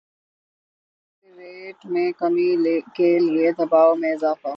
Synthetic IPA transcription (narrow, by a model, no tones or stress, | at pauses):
iɾeːʈmẽkɐmikelied̪ɐbaːomẽɪzaːfa